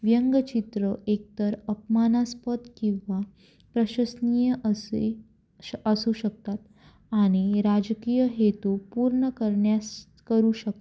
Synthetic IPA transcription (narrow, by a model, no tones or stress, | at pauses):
ʋjəŋɡət͡ɕit̪ɾəʔek̚t̪əɾəpmanaspət̪kĩw̃ʋa | pɾəɕəsnijəʔ | əsuɕək̚t̪at̪ | aɽ̃iɾad͡ʑkijəɦet̪upuɾɳəkəɾɳjas | kəɾuːɕək̚t̪